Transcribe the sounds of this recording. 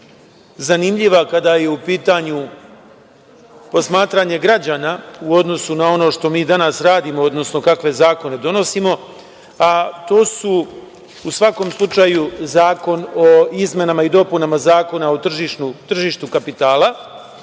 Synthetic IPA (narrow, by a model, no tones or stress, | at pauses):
zanimʎiʋakad̪aje̞upiːt̪aɲu | po̞smaːt̪ɾaɲe̞ɡɾad͡ʑaːnauo̞d̪no̞sunao̞no̞ʃt̪o̞miːd̪anasɾaːd̪imood̪no̞sno̞kakʋe̞zaːko̞ne̞d̪o̞no̞simo̞ | at̪o̞ːsu | usʋako̞ːmslˠut͡ʃajuzaːko̞no̞izme̞namaid̪o̞punamazaːko̞naot̪r̩ʒiʃnut̪r̩ʒiːʃt̪ukapit̪aːlˠa